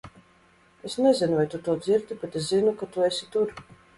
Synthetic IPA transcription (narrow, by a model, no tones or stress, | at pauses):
esnezinuvajt̪ut̪uɔd̪ziɾd̪ibet̪es̬zinukat̪uesʲit̪uɾ